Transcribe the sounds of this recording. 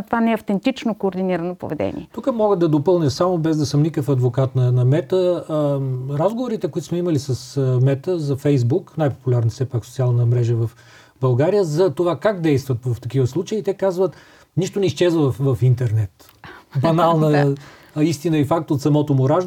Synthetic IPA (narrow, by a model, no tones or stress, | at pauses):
t̪ovanɛɐft̪ɛnt̪it͡ʃnokoːɾd̪iniɾɐnopo̰vɛd̪ɛ̰nḭɛt̪ukəmɔɡəd̪ɐd̪opɤlˠnʲəsamobɛzd̪ɐsəmnikəfɐd̪vokat̪nɐnɐmɛt̪ə | ɾazɡovoɾit̪ɛkoit̪ʊsmɛimɐlisɐsmɛt̪əzɐfɛjzbuknajpo̥pulʲaɾnəsɛpaksot̪sialˠnəmɾɛʒəvɐf | bɐlˠɡaɾijəzɐt̪ovakaɡd̪ɛjst̪vət̪vɐft̪ɐkivəslˠut͡ʃəiːt̪ɛkazvət̪ | niʃt̪onɛisʃt͡ʃɛzvəvɐfint̪ɛɾnɛt̪ | bɐnalˠnə | ist̪inəifak̚t̪ot̪sɐmɔt̪omʊɾaʒ